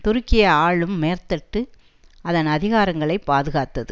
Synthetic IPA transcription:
t̪ʊɾɯkːɪjɐaːɭɯmːeːrt̪ɐʈːɯ | ɐðɐnɐðɪɣaːɾɐŋɡɐɭɐɪpːaːðɯɣaːt̪ːɐðɯ

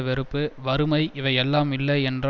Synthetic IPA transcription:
ʋɪɾɯpːɯʋɐɾɯmɐɪʔɪʋɐɪɛlːaːmɪlːɐɪɛndr

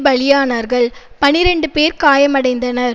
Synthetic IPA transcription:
bɐɭɪjaːnaɾɣɐɭ | pɐɳɪɾɛɳɖɯpeːɾkaːjɐmɐɽɐɪnd̪ɐnɐɾ

